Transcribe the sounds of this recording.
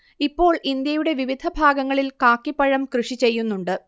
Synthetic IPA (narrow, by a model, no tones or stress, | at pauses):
ipːo̞ːɭʔind̪jɐjuɽe̞ʋiʋid̪ʱɐbʱaːɡɐŋːɐɭilkaːkːipːɐɻɐmkrɨʂit͡ɕe̞jːunːuɳɖɨ